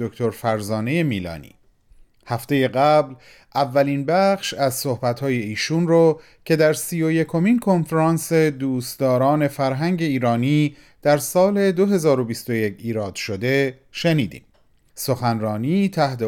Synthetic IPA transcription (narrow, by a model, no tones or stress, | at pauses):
okʰt̪ʰoɾfæɾzɒːne̞je̞miːlɒ̰ːnḭː | hæft̪e̞je̞ɣæbl | ʔævːæliːnbæxʃæzso̞hbæt̪hɒːje̞iːʃunrɔː | cʰe̞d̪æɾsijoje̞kʰo̞minkʰo̞nfeɾɑːnse̞d̪uːst̪d̪ɒːɾɒːne̞fæɾɦæŋɟe̞iːɾɒːniː | d̪̥æɾsɒːle̞d̪o̞ɦe̞zɒːɾo̞bist̪o̞je̞cʰiːɾɒːd̪̥ʃo̞d̪e̞ | ʃeniːd̪ḭːm | so̞xænrɒːniːt̪ʰæht̪e